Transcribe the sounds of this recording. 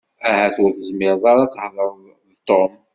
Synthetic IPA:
æhæθʊɾθəzmɪɾðˤɑɾˤɑt͡sːhlˤəɾˤ | ðt̪ːom

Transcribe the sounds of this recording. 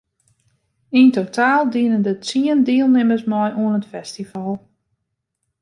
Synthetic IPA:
intotʰaːlˠdiənəndət͡siəndiəlˠnɪməsmɔjʔuənətfɛstivalˠ

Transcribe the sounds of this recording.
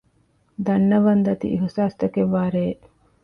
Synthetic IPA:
d̪ɐnːɐʋɐnd̪ɐt̪ḭʔiɦusaːst̪ɐkeʋːaːɾeː

